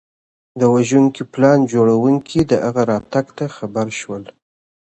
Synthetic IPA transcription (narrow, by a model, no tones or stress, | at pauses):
d̪əwaʒuŋkiplɑnd͡ʒoɽawuŋkʰid̪əʔaɣaɾɑt̪aɡt̪axabaɾʃwəl